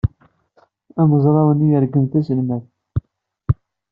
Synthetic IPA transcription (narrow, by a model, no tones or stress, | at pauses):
ænəzˤɾˤɑwənijəɾɡəmt̪æsəlmæθ